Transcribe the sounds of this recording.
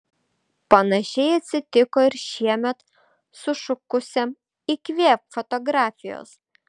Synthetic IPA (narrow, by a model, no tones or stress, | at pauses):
pɐnɐʃʲɛɪɐt̪ʲsʲɪt̪ʲɪkoːɪɾʃʲiɛmʲɛt̪ | sʊʃʊkʊsʲɛm | ɪkʋʲeːpfɔt̪ɔɡɾɑːfʲɪjo̰ːs